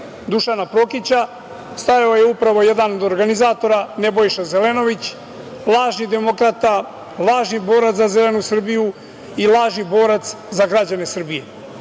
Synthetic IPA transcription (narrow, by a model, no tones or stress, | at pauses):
d̪uʃanapɾo̞kit͡ɕa | st̪ajaojeupɾaʋo̞je̞d̪ano̞d̪o̞ɾɡanizaːt̪o̞ɾane̞bo̞jʃaze̞leno̞ʋit͡ɕ | lˠaːʒnid̪e̞mo̞kɾat̪a | lˠaːʒnibo̞ːɾat̪zazelenusr̩biju | ilˠaːʒnibo̞ːɾat̪s | zaɡɾad͡ʑane̞sr̩bije̞